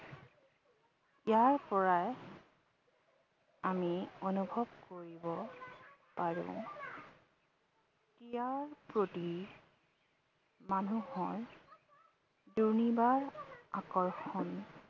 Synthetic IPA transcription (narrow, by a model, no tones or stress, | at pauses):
ijaɹpɔɹaj | amionubʱɔbkoɹibɔ | paɹṵ̃ʊ̃ | tijaɹpɹoti | manuhɔɹ | duɹnibaɹa̰kɔɹxɔn